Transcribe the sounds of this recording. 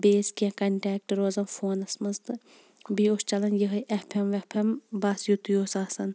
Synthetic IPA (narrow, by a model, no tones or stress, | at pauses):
beːskiɐ̃kɐɳʈɛːk̚ʈɾoːzɐmfoːnɐsmɐzt̪ɨ | biost͡ʃɐlɐnjəɦɐjʔepʰemʋepʰembasjut̪ujoːsaːsɐn